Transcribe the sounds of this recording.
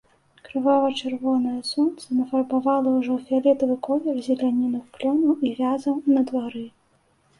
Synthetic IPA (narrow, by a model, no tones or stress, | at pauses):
kɾɨvavɐt͡ʂɨrvɔnɐjɐsɔnt̪sɐnɐfɐlbavalˠɐwʐɔfʲialʲɛt̪ɐvɨkɔvʲɛrzʲɛlʲanʲinɨxplʲɔnɐwivʲazɐwnɐd̪vaɾɨ